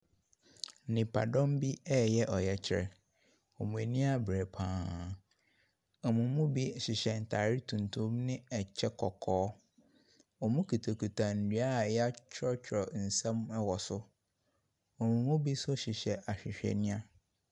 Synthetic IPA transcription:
nɪ̃˨pʰa̰˨dɔ̃˦mbi˦ɛː˦jɛ˦ʔɔ˨jɛ˨t͡ɕʰɪ˦ɾɛ̰˨ | ɔ˨mũ˨e˨nĩ˦a˦bɾɛ˨pʰãː˨˦ | ɔ˨mũ˨mũ˦bi˦ɕɪ˨ɕɛ˨n̩˨tʰa˨ɾi˦tʰũ˨ntʰũ˦mnɪ̃˦ɛ˨t͡ɕʰɛ˦kʰɔ˨kʰɔː˦ | ɔ˨mũ˦kʰi˨tʰo˨kʰu˨tʰã˨n̩˨dɥa˦˨jɛ˦a˦t͡ɕʰɾɔ˦t͡ɕʰɔ˨n̩˨sɛ̃˦mɛ˦wɔ˨sʊ˦ | ɔ˨mũ˨mũ˦bi˦sʊ˦ɕɪ˨ɕɛ˨ʔa˨ɕᶣɪ˨ɕᶣɛ̰˨nĩ˦a˦

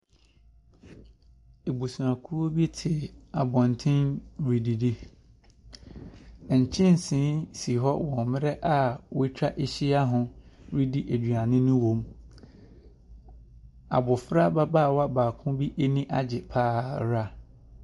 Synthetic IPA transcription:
e˨bo˨su˨ɾã˨kʰu˦o˦bi˦tʰɪ˨a˨bɔ̃˨n˨tʰɪ̃˦nɾi˨di˨di˦˨ | ɲ̩˨t͡ɕʰɪ̃˦n˨sɪ̃˨˦si˨ɦɔ˦wɔ̃˨mɪ̃˦ɾɛ˦ʔa˨wʊ˦tʰa˦ʔe˨ɕi˦a˦ɦʊ̃˨ɾi˦di˨ʔe˨d͡ʑu˨a˨nɪ̃˦nʊ̃˦wõ˨m | a̰˨bʊ˨fɾa˦ba˦baː˦˨wa˦baː˨kʰʊ̃˦bi˦ʔe˦nĩ˦ʔa˨d͡ʑɪ˨pʰaː˦˨ɾa˦

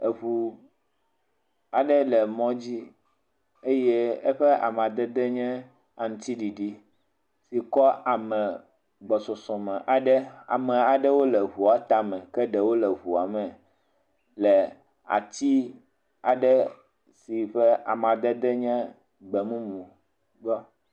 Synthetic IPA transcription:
e˨βu˨ | a˨ɖɛ˦lɛ˨mɔ̃˦d͡ʑi˦ | e˦jɛ˦e˦ɸɛ˦ʔa̰˨m˨ã˨d̪ɛ˦d̪ɛ˦ɲɛ̃˦ | a˨ŋũ˨˦t̪i˦ɖi˨ɖi˦ | si˨kɔ˦a˨mɛ̃˨ | ɡ͡bɔ˨sɔ˨sɔ̃˨mɛ̃˨ʔa˨ɖɛ˦a̰˨mɛ̃˨a˨ɖɛ˦wo˦lɛ˨ɦu˨a˨t̪a˦mɛ̃˨kɛ˦ɖɛ˨wo˦lɛ˨ɦu˨a˨mɛ̃˨ | lɛ˨ | a̰˨t̪i˦ | a˨ɖɛ˦ | si˨ɸɛ˦a̰˨m˨ã˨d̪ɛ˦d̪ɛ˦ɲɛ̃˦ | ɡ͡bɛ˨mũ˦mũ˨ | ɡ͡bɔ˦

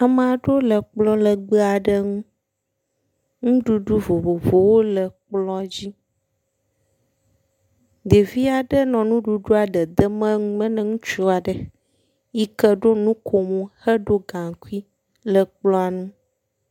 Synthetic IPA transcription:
a˨m˦a˨ɖo˦lə˨k͡plɔ˦lə˨ɡ͡bə˦a˨ɖə˦ŋũ˦ | ŋũ˦ɖu˦ɖu˦vo˨vo˨vo˨wo˦lə˨k͡plɔ˦˨d͡ʑi˦ | d̪e˨vi˦a˨ɖə˦nɔ̃˨nũ˦ɖu˨ɖu˦a˨ɖə˨d̪ə˦mə̃˦ŋũ˦mə̃˦nə̃˦ŋũ˦t͡ʃu˦a˨ɖə˨ | i˦kə˦ɖo˦nũ˦kʰo˨mũ˦hə˦ɖo˦ɡã˨ku˦i˦ | lə˨k͡plɔ̃˦a˨nũ˦

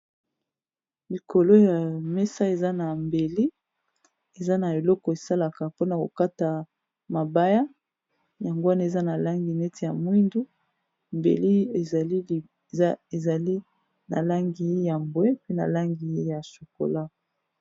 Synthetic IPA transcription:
li˨ko˨lo˦ja˨mɛ˦sa˦e˨za˦na˨mbe˨li˦ | e˨za˦na˨e˨lɔ˦kɔ˨e˨sa˦la˨ka˨po˦na˨ko˨ka˦ta˨ | ma˨ba˦ja˦ | ja˨ŋɡo˦wa˦na˦e˨za˦na˨la˦ŋɡi˨nɛ˦tʰe˨ja˨mwi˦ndu˦ | mbḛ˨li˦e˨li˦˨˦ | e˨za˨li˦ | na̰˨la˦ŋɡi˨˦ja˨mbwe˦pe˦na̰˨la˦ŋɡi˨e˦ja˨so˨ko̰˨la˦

